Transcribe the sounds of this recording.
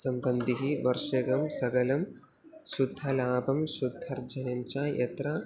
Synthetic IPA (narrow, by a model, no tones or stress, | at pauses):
sɐmbɐnd̪ʱiɦiʋɐɾʂɐɡɐmsɐɡɐlɐm | ʃud̪ʱːɐlaːbɐmʃud̪ʱːɐɾd͡ʒɐnɐɲt͡ʃaːjʔɐ̰t̪ɾɐ